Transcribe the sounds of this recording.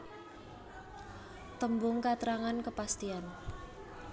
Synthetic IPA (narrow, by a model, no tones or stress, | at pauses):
t̪əmbʊŋkat̪ɾaŋankəpast̪ian